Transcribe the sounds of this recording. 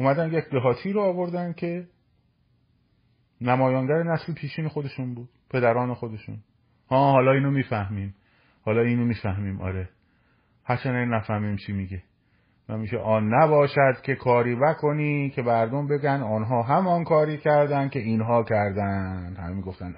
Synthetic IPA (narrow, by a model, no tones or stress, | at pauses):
ʔumæd̪ænd̪jecd̪eɦɒːt̪ʰiːɾoɒːvo̞ɾd̪ænd̪̚cʰe̞ | næmɒːjɑnɡæɾenæslepʰiːʃiːnexo̞d̪e̞ʃuːnbuːd̪̥pʰe̞d̪æɾɒːne̞xod̪e̞ʃṵːn | hɒːhɒːlɒːiːnomiːfæhmiːm | hɒːlɒːiːnomiːfæhmiːmʔɒ̰ɾe | hæɾt͡ʃʰænæɡæɾnæfæhmiːmt͡ʃʰimiːɡe | væmiːʃḛʔɒːnːæbɒːʃæd̪̥cʰe̞kʰɒːɾiːnækʰoniːcʰe̞mæɾd̪ombe̞ɡænd̪ɒnɦɒːɦæmɒːnkʰɒːɾiːcʰæɾd̪ænd̪̥̚kʰe̞inɦɒːcʰæɾd̪æd̪hæ̰memiːɡo̞ft̪æn